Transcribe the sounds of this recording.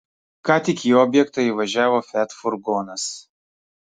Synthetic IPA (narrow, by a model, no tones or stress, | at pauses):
kɑːt̪ʲɪkʲjiːɔːbʲjɛkt̪ɐiʋɐʒʲæːʋoːfʲæt̪fʊɾɡoːnɐs